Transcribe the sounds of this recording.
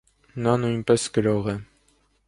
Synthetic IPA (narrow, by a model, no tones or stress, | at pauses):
nɑnujnpɛskəɾɔʁɛ